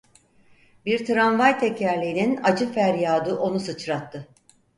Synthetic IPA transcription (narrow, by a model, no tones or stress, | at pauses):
biɾt̪ʰɾanvajt̪ʰecʰæɾlʲiːninad͡ʒɯfæɾjaːd̪uʔo̞nusɯt͡ʃɾat̪ʰːɯ